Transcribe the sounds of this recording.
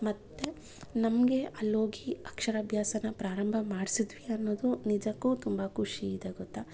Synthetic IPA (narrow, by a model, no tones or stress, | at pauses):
mɐt̪ːe | nɐmɡe̞ʔɐlːoːɡiɐkʂɐɾɐbʱjaːsɐnɐpɾaːɾɐmbʱɐmaːɽisid̪ʋiɐnːo̞ːd̪unid͡ʒɐkːuːt̪umbɐkʰuʂiːd̪eɡɔt̪ːa